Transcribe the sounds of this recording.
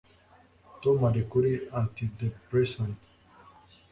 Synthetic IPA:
t̪omaɾikuɾiãnt̪id̪epɾesãnt̪

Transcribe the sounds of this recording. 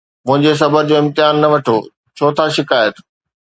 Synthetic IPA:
mʊ̃ɦɪ̃ɲd͡ʑes̬ɐbəɾd͡ʑoːɪ̃mt̪ɪɦaːnːɐʋɐʈʰo | t͡ɕʰoːt̪ʰaʃɪkaːjət̪

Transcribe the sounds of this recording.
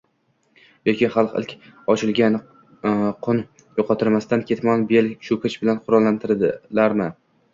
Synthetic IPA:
jokʲɪχɑlˠqɪ̰lkʲɒt͡ʃʰɪlɡʲan | qʰʊn | joqʰɑt̪ʰɪɾmast̪ankʲʰe̞t̪mɒnbelʲʃʊkɪt͡ʃbɪlanqʰʊɾɒlˠːant̪ʰɪɾd̪laɾmɪ

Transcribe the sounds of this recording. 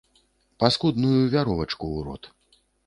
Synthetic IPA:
paskud̪nujuvʲaɾɔvɐt͡ʂkuːɾɔ̰t̪

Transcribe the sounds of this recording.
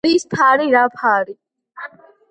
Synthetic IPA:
ɾist̪ʰaːɾiɾapʰaːɾi

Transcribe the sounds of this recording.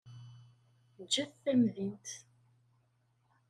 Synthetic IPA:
nd͡ʒæθθæmðint̪

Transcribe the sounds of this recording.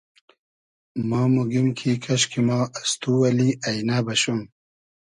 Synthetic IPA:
mɑːmuɡimkʰikʰɐɕkʰimɑːast̪uwɐliʔɐjnaːbɐɕum

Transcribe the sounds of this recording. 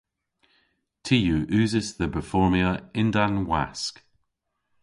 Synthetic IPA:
tʰijuʔʉːzɪsðəbəfɔɹmiəɪ̃ndanwa̰sk

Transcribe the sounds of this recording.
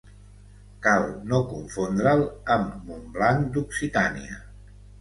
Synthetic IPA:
kalˠnokuɱfond̪ɾələmːumblaŋd̪uksit̪anḭə̰

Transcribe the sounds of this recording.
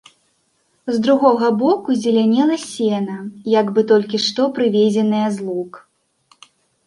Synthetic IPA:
zd̪ɾuɣɔɣɐbɔkuzʲɛlʲanʲɛlˠɐsʲɛnɐjaɡbɨt̪ɔlʲkʲiʂt̪ɔpɾɨvʲed͡zʲɛnɐjɐzlˠuk

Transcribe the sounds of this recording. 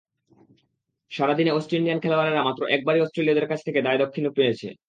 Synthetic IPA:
ʃaɾad̪ineɔsʈɾeliankʰɛlooaɾeɾamat̪ːɾoʔɛk̚baɾiɔsʈɾeliad̪eɾkat͡ɕʰt̪ʰeked̪aed̪okʰːinupːenet͡ɕʰḛ

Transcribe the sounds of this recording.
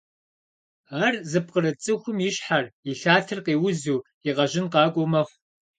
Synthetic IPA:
aːrzɨp̚qəɾɨt͡sʼɨxʷʊmjɪɕħariɬaːtʰɨrqiːwʊzuː | iʁɐʒɪnqɑːkʷʼomɐχʷ

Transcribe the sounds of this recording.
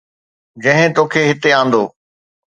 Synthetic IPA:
d͡ʑɐ̃ɦɪ̃t̪oːkʰeːɦɪt̪eãːn̆d̪oː

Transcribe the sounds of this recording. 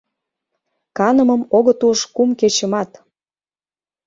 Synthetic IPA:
kɑnə̆mə̆moɣə̆t̪uʃkumket͡ɕə̆mɑt̪

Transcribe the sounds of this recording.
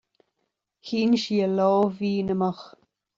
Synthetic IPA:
hiːnʃiəlɔːviːnəmɑx

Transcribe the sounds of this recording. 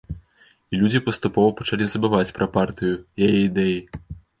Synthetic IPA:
ilʲud͡zʲipɐst̪upɔvɐpɐt͡ʂalʲizɐbɨvat͡sʲpɾɐpart̪ɨjujajɛid̪ɛji

